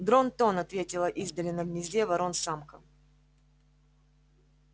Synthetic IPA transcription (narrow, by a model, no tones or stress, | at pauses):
d̪ɾont̪onɐt̪vʲetʲɪlˠəʔizd̪əlʲɪnəɡnʲɪzʲdʲevɐɾo̞nsamkə